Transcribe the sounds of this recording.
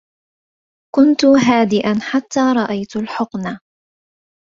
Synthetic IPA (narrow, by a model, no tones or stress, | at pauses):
kʊnt̪ʊɦaːd̪ɪʔanħat̪ːaːɾˤɑʔajt̪lħʊqna